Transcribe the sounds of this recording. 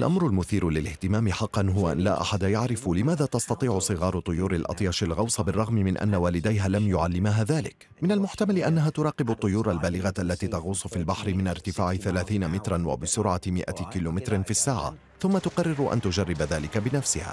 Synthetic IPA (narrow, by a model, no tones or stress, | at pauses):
alʔamɾʊlmʊθiːɾʊlɪlɪht̪ɪmaːmɪħɑqːɑnɦʊwaʔa̰nlaːʔa̰ħad̪ajaʕɾɪfʊlɪmaːðaːt̪ɑst̪ɑt̪ˤiːʕʊsˤɨɣɑːɾˤʊt̪ˤːʊjuːɾɪlʔɑ̰t̪ˤjɑːʃɪlɣɑwsˤɑbɪrˤːɑɣmɪmɪnʔa̰nːawaːlɪd̪ajɦaːlamjʊʕalːɪmaɦaːðaːlɪk | mɪnalmʊħt̪amalɪʔanːaɦaːt̪ʊɾˤɑːqɪbʊt̪ˤːʊjuːɾˤalbaːlɪɣaʔalːat̪iːt̪ɑɣuːsˤʊfiːlbaħɾɪmɪnaɾt̪ɪfaːʕɪθalaːθiːnamɪt̪ɾˤanwa̰bɪsʊɾʕamɪʔa̰kiːloːmɪt̪ɾɪnfisːaːʕa̰ | θʊmːat̪ʊqɑrːɪɾʊʔa̰nt̪ʊd͡ʒarˤːɪbaðaːlɪkabɪnafsɪha̰ː